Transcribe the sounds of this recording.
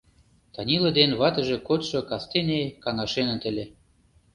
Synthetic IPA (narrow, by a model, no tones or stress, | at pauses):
t̪ɑnʲilɤ̆d̪enβɑt̪ə̆ʒĕkot̪ʃɤ̆kɑst̪enʲekɑŋɑʃenə̆t̪ə̆lʲĕ